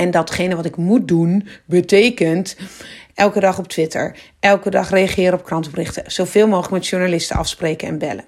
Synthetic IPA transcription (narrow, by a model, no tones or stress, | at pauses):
ɛndɔtχejnəʋɔtɪkmut̚dunbətejkənt | ɛlˠkədɑχɔp̚tʰʋɪtʰə̰ɹʔɛlˠkədɑχreaχɪːɾəɔp̚krɑntəprɪχtəz̥owv̥ɪːlˠmoːxχlək̚mɛtʃuɹnalɪstəɑ̰fspreːkənɛ̰nbɛlə